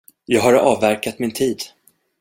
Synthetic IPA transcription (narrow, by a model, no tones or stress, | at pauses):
jɑːɡɦaɾɑːvːæɾkat̪mɪnt̪ʰiːd̪